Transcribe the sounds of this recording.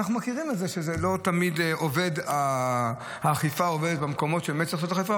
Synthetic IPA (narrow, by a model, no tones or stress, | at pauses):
aχnumakiʁimetzeʃezelo̞t̪amid̪eove̞d̪a | haːχifaoved̪et̪̚bemko̞mo̞tʃebemet̪̚t͡sisotaχifa